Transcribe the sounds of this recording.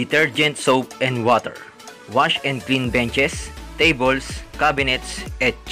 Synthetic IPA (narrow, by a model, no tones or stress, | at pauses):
ɪt̪ɛɹd͡ʒɛ̃nt̪sowpɛ̃nd̪wɔt̪ɛ̰ɹ | waʃɛ̃nd̪̚klĩnbɛ̃nt͡ʃɛst̪ejbəlskabɪnɛt̪sɛt̪̚